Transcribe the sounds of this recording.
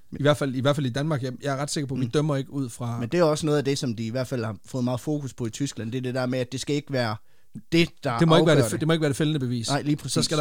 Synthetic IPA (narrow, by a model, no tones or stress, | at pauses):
iʋæɐ̰d̥fæl̰iʋæɐ̰fælid̥ænmɑ̈ːɡ̥jɑjɑ̈æɐʁɑ̈d̥se̝ɡ̥ɐpʰɒ̽ʋid̥œm̰ɐe̝ɡ̥əuð̰ˠfʁɑ̈mend̥e̝æɒ̽sənɔ̽ːð̩ˠæd̥e̝sɒ̽md̥iiʋæɐ̰d̥fæl̰hɑ̈fɔ̽ːð̩ˠmɑ̈ːð̩ˠfo̝̰ːkʰuspʰɒ̽it͡sʰysɡ̥læn̰d̥eɐd̥e̝d̥eɐ̰meæd̥e̝sɡ̥æe̝ɡ̥əʋæːɐ | d̥e̝d̥ɑ̥̈e̝mɒeɡʋæːɐded̥e̝mɒeɡ̥ʋæːɐd̥e̝felənəb̥e̝ʋḭːsɪ̰liːpʰʁiːsæɾ̥